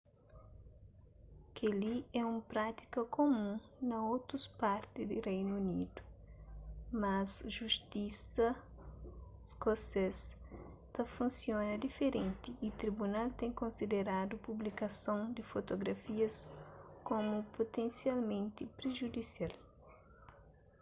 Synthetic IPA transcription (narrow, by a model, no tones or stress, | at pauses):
keliɛũmpɾat̪i̥kɐkomũnɐowt̪uspaɾt̪izd̪irejnunid̪u̥ | mɐzʒuʃt̪isɐ | skosɛs | t̪ɐfũnsjonɐd̪ifeɾẽnt̪iːt̪ɾibunalt̪ẽŋkõnsid̪eɾad̪upublikɐsõŋd̪ifot̪oɡɾɐfiɐskomupot̪ẽnsjalmẽnt̪ipɾeʒud̪isjal